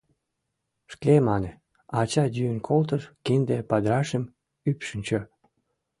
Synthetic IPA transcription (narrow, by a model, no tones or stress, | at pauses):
ʃkemɑne | ɑt͡ɕɑdyənkʰolt̪əʃkind̪epɑd̪ɾɑʃəm | ypʃənʲt͡ɕø